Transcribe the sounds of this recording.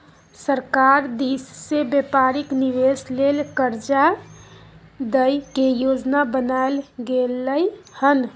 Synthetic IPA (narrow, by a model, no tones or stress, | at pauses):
səɾkaɾd̪isːebepaɾikniʋeslelkəɾd͡ʒa | d̪əjkejod͡ʒnabənaelɡelːəjhən